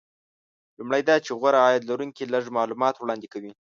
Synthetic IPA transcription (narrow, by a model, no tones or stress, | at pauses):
lumɽajd̪ɑt͡ʃeɣwaɾaːjad̪laɾuŋkiləʐmɑlumɑt̪wɽɑnd̪ɪkawi